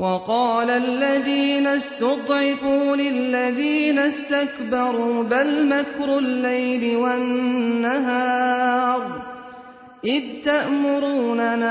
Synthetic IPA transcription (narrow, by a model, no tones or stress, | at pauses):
wɑqɑːlalːaðiːnast̪ʊd̪ˤʕɪfuːlɪlːaðiːnast̪akbɑɾˤuːbalmakɾʊlːajlɪwanːaɦɑːɾˤ | ʔɪðt̪aʔmʊɾuːnana